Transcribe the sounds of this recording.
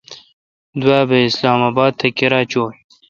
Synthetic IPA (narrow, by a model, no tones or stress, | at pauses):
d̪waːbəɪslɑːmaːbɑːd̪̚t̪ʰɐkiɾɑːt͡ɕoː